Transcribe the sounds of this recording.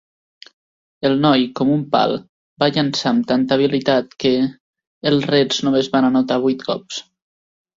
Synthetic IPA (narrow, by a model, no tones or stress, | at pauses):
əlˠnɔjkɔmumpa̰lˠ | baʎansamt̪ant̪aβ̞ilit̪at̪kəː | lˠreznomezβananot̪aβ̞ujt̪kɔ̰ps